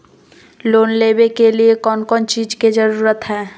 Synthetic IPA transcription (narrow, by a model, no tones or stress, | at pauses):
loːnleːbekeliekɔːnkɔːnt͡ʃiːd͡ʒked͡ʒəɾuːɾət̪ɦɛː